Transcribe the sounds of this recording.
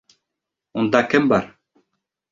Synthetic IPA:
und̪ɑkɘmbɑɾ

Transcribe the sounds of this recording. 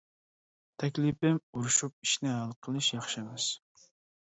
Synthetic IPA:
t̪ʰɛkʲlipɪmuɾuʃup̚i̥ʃnɪɦælˠqʰəlˠɨʃjɑχʃɨmɪz̥

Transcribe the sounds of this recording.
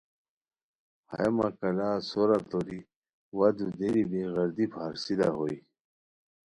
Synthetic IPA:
ha̰makɐlaːsoɾat̪oɾi | wɐd̪ud̪eɾibeɣɐɾd̪ipʰaɾsid̪a̰ɦoi

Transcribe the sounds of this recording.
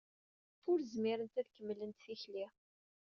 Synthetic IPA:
ʊɾzmiɾənt̪æðkəmːlənt̪θiçli

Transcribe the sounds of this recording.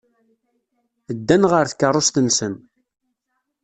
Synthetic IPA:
əd̪ːænʁəɾθə̥kːərˤːost̪ənsən

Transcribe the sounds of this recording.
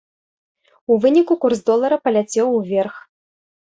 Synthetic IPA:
uvɨnʲikukurzd̪ɔlˠɐɾɐpɐlʲat͡sʲɛwvʲɛrx

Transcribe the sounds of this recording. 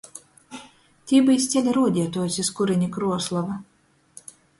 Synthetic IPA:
t̪ʲiːbɨjst̪sʲɛlʲaɾuɔd̪ʲiɛt̪uɔjsʲiskuɾinʲikɾuɔslˠɔva

